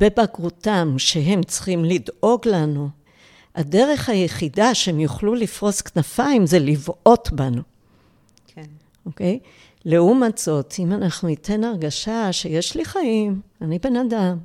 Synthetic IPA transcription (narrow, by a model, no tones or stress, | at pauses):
b̥ebaɡʁutamʃe̞ɦe̞mt͡sχimlido̞ɡlanu | ade̞ʁe̞χhajeχidaʃeemjuχlulifʁo̞sknafaimze̞livʔo̞tbanu | oke̞j | leumatz̥o̞tʰimanaχnuitʰe̞naʁɡaʃaʃe̞je̞ʃliχaimanibe̞nadam